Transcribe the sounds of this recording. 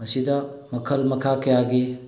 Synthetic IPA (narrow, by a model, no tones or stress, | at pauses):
mɐsid̪ɐmɐkʰɐlmɐkʰakejaɡi